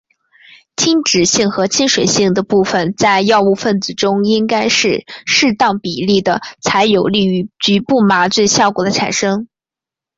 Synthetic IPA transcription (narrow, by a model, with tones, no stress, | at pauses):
t͡ɕʰi˥ŋʈ͡ʂɻ̩˨˩ɕi˥˩ŋxɤ˧˥t͡ɕʰi˥nʂwe˨˩ɪɕi˥˩ŋd̪ə˩pu˥˩fə˩nt͡sa˥˧ɪjɑ˥˧ʊu˥˧fə˥˩nt͡sɹ̩˨˩ʈ͡ʂʊ˥ŋi˥ŋka˥ɪʂɻ̩˥˧ʂɻ̩˥˧t̪ɑ˥˩ŋpi˨˩li˥˩d̪ə˩t͡sʰa˧˥ɪjo˨˩ʊli˥˩˧t͡ɕy˧˥pu˥˩ma˧˥t͡swe˥˧ɪɕjɑ˥˩ʊkwɔ˨˩d̪ə˦ʈ͡ʂʰa̰˨˩nʂɤ˥ŋ